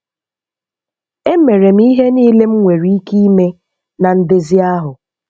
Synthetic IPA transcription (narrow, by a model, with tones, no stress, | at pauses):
e˦me˨ɾe˨m̩˦i˦ɦe˦niː˦le˦m̩˦ŋʷe˨ɾi˦i˦ki˦i˦me˦ | na˨n̩˦dɪ˦zɪ˦a˦ɦʊ˨